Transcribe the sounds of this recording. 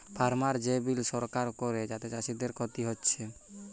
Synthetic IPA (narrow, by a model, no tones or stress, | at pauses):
pʰaɾmaɾd͡ʒebilsɔɾkaɾkɔɾed͡ʒat̪et͡ʃaʃid̪eɾkɔt̪iɦotːt͡ʃʰe